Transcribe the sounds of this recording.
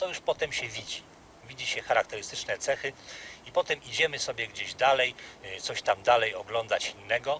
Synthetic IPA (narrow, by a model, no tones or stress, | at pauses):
t̪ɔjuʂpɔt̪ɛmɕɛvʲid͡ʑi | vʲid͡ʑiɕɛxaɾakt̪ɛɾɘst̪ɘt͡ʂnɛt̪sɛxɘipɔt̪ɛmid͡ʑɛmɘsɔbʲjɛɡd͡ʑeʑd̪alɛjt̪sɔɕt̪amd̪alɛjɔɡlɔnd̪at͡ɕinːɛɡɔ